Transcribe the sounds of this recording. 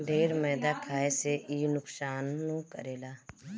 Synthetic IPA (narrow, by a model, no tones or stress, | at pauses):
ɖʱeːɾmɛːd̪akʰaːeseʔiːnʊksaːnːũkə̰ɾeːlaː